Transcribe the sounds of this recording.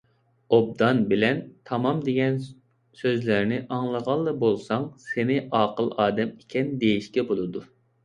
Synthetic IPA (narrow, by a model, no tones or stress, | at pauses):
ob̚d̪ɑnbɪlɛnt̪ʰɑmɑmd̪eɡʲɛn | søzlæɾnɪʔɑŋlˠəʁɑlˠːɨbolˠsɑŋsenɪʔɑːqəlˠɑːd̪ɛmikʲʰɛnd̪ejiʃkʲɛbolˠɨd̪u